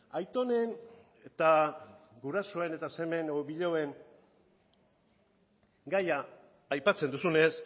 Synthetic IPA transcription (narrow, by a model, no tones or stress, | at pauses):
ajt̪o̞ne̞n | et̪aɡuɾaso̞ene̞t̪ase̞me̞noβiʎowe̞ŋ | ɡajaː | jpat͡se̞nd̪usune̞s